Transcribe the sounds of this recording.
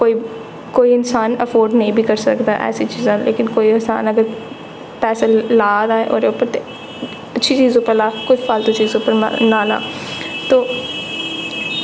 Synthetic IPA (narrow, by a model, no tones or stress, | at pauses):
koːi | koːiɪnsaːnəfoːɾɖnɐɦĩbʱikəɾsəkd̪aːʔɛ̰ːsit͡ʃiːzãːlḛːkɪnkoːiɪnsa̰ːnəɡəɾ | pɛːselaːd̪aẽʔo̰ːɾeʊpəɾt̪e | ɐtːʃʰit͡ʃiːzupəɾlaːkʊd͡ʒpaːlt̪ot͡ʃiːzuːpəɾa̰naːla̰ːt̪oː